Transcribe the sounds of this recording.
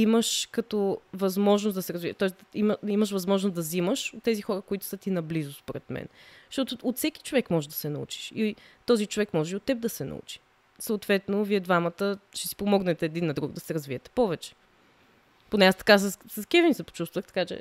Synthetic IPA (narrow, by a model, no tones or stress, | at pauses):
iməʃkɐt̪ɔvɐzmɔʒnʊsd̪ɐsɛɾɐzvit̪ɔɛsd̪imiməʃvɐzmɔʒnʊsd̪ɐziməʃot̪ːɛzixɔɾəkoit̪ʊ̥sət̪inɐblizʊspoɾɛt̪mɛ̰nʃt̪ɔt̪ʊːt̪sɛk̟i̥t͡ʃovɛkmɔʒɛd̪ɐsɛnɐṵt͡ʃi̥ʃit̪ɔzit͡ʃovɛkmɔʒɛot̪ːɛb̚d̪ɐsɛnɐ̰ṵt͡ʃi̥ | səʊt̪vɛt̪noviɛd̪vamɐt̪əʃt̪ɛ̥si̥pomɔɡnɛt̪ɛːd̪inːɐd̪ɾuɡ̚d̪ɐsɛɾɐzviɛt̪ɛ̥pɔvɛt͡ʃɛ̥ | ponɛast̪ɐ̥kassɐskɛvinsɛpo̥t͡ʃust̪vəxt̪ɐ̥kat͡ʃɛ̰